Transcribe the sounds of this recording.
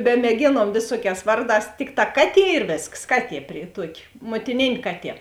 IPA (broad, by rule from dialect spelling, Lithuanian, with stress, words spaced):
bʲɛmʲeːˈɡʲeːnuɔm ˈʋʲeːsuɔˌkʲɛːs ˈʋɐrˌdɑːs ˈtʲɪkˌtɑː ˈkɑːˌtʲiɛ ɪr ˈʋʲeːsks ˈkɑːˌtʲiɛ pʲrʲɪ ˈtuɔkʲɪ muɔtʲɪˈnʲeːnʲ ˈkɑːˌtʲiɛ